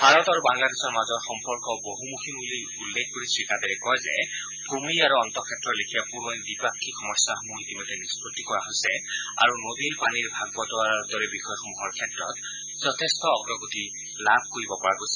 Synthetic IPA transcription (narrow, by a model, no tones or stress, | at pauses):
bʱaɹɔtaɹubaŋladesɔɹmazɔɹxɔmpɔɹkɔboɦumukʰimuli | ulːekʰkoɹisɹikadɛɹɛkɔjzɛ̰ | b̥umiaɹuɔntɔkʰɛtɹɔtlekʰijapuɹɔjdipakʰːikʰɔmɔsaɦɔmuitimɔtɛnispɹɔtːikɔɹaɦojsɛa̰ɹunodilpaniɹbʱaɡ̚bɔtɔaɹdɔɹɛbixɔjɔxɔmuɦɔɹkʰɛtɹɔ̰t | zɔtʰɛstɔːɡɹɔɡoti | labʱkoɹibɔpɔɹakojsɛ